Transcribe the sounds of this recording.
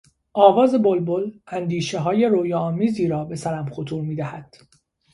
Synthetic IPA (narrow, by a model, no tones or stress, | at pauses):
ʔɒːvɒːze̞bolbolænd̪iːʃe̞ɦɒːje̞ɾoːjɒːmiːziːɾɒːbe̞sæɾæmχo̞t̪ʰuːɾmiːd̪æhæd̪̥